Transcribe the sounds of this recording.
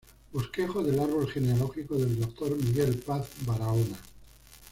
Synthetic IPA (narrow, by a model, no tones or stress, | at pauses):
buske̞xo̞ðe̞laɾβ̞o̞lxe̞nealo̞xikoðe̞ld̪ok̚t̪o̞ɾmiɣe̞lpaθbaɾaona